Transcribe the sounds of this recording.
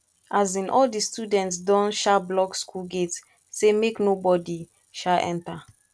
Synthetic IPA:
ʔazĩnʔɔldistudɛ̃ntsdɔ̃nʃablɔkskulɡetː | emeknobɔdi | ʃaʔɛ̰̃nta

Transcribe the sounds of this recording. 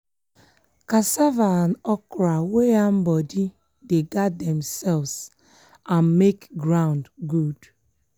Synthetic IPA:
kasavanɔkɾaweam̩bɔdi | deɡadɛ̃msɛlvs | anmekɡɾãʊ̃ndɡud

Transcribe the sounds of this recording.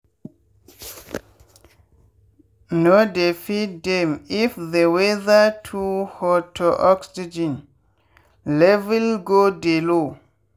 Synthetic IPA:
nodefitdemifðewɛðatʰuhɔtʰɔʔɔksid͡ʒĩn | lɛvɛlɡodelo

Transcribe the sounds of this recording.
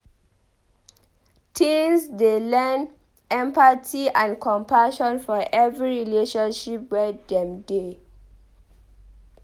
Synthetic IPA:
tʰĩŋsdelɛn | ɛ̃mpatʰiãnkʰɔ̃mpaʃɔ̃nfɔʔɛvɹiɹileʃɔ̃nʃipwɛdɛ̃mde

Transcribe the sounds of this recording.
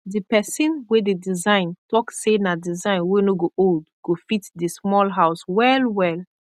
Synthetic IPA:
dipɛsĩnwededizãɪ̃ntɔksenadizãɪ̃nwenoɡoʔoldɡ̥ofitdismɔlɦaʊswɛlwɛl

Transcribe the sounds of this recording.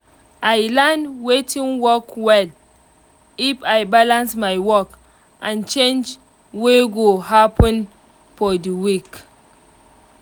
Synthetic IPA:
ajlanwetʰĩnwɔkwɛl | ifajbalãnsmajwɔk | ʔãnt͡ʃẽnd͡ʒ | weɡoɦapə̃n | fɔdiwik

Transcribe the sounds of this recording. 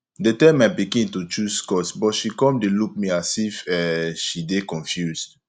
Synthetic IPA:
detɛ̃mabiɡĩntut͡ʃuskɔsbɔtʃikɔ̃mdelup̚miasifɛʃidekɔ̃nfjusd

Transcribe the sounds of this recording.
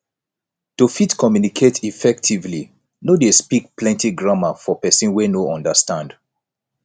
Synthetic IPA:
tufitkɔmjunikʰetʰifɛk̚tʰivli | nodespik̚plɛ̃ntiɡɹamafɔpɛsĩnwɛnoɔ̃ndəstãnd

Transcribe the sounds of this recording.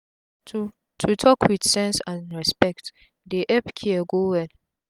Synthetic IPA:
u | tʰutʰɔkwidsɛ̃nsãnɹɛspɛkt | deʔɛpkʰiɛɡowɛl

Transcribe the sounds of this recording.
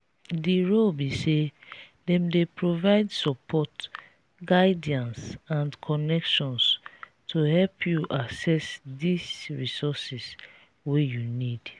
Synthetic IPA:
diɹolbise | dɛ̃mdepɹovaɪdsɔpʰɔt | ɡaɪdiãnsãnkʰɔnɛkʃɔ̃ns | tʰuhɛlpʰjuʔasɛsdisɹisɔsis | wejunid̥

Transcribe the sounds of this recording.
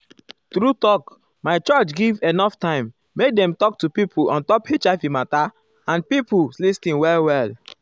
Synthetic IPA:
tɾutɔk | maɪt͡ʃɔt͡ʃɡivenɔftãɪ̃mː | ek̚dɛ̃mtɔk̚tupipʰulɔ̰̃ntɔphet͡ʃaɪfimata | ãnpipulistĩnwɛlwɛl

